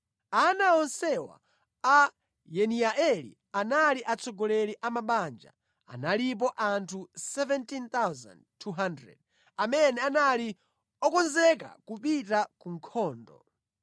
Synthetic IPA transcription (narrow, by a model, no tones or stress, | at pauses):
anaɔnsɛwa̰ | a | jɛniaʔɛlḭ | analiʔat͡sʰɔɡɔlɛɾiʔamaɓand͡ʒa̰ | a̰nalip̬ɔʔantʰusɛvɛntint̪awzã̰ndtʰuɦandɾɛ̰d̚ | amɛnɛanali | ɔkɔnzɛka̰kupitakuŋkʰɔːndɔ̰